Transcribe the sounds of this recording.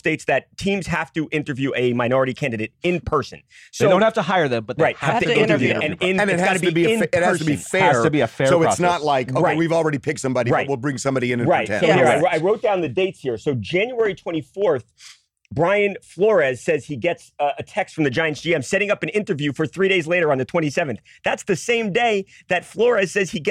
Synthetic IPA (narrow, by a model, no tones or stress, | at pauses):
steɪtsðɨttʰĩmz̥hæftɨʔɪ̃ntə˞vjʉʔɨmaɪnɔɹɨɾikʰæ̃ndɨɾeɪɾ̚ɨ̃npʰɜ˞sɨ̰̃nsodõʊ̃nhæftəhaɪə˞ðɨ̃mb̥ʌt̚ɹaɪthtɨɪ̃tə˞vjʉ̰ɨ̃nɪ̃nɨ̃nɨts̚hɡɑnɨbĩɨt̚hæstifɛɹtɨbiɨfɛsɹoʊɨsnətˡlaɪkoʊaɪwivl̩ˠɹɛɾipʰɪk̚tsʌ̃mbɑɾiɹaɪt̚wilˠbɹɪ̃ŋsʌ̃mbɑɾiɨ̃ñɹatɛ̰̃oʊɪaɪaɪɹoʊt̚d̥ãʊ̃nðɨdeɪtshiɹsoʊd͡ʒæ̃njuɛɹitʰw̥ɛ̃ɾ̃ifɔɹθ | b̥ɹaɪɨ̃nflɔɹɨz̥sɛz̥iɡɛtsɨtʰɛkstfɹʌ̃mðɨd͡ʒãɪɨ̃nsiɛ̃ɪ̃msɛɾɪ̃ŋʌpɨ̃nɪ̃ntə˞vjʉfə˞θɹiɾeɪzleɪɾə˞ɨ̃nðɨtʰɛ̃ɾ̃isɛvɨ̃nθ | ðætsðɨsẽɪ̃mdeɪðɨtflɔɹɨz̥sɛz̥iɡ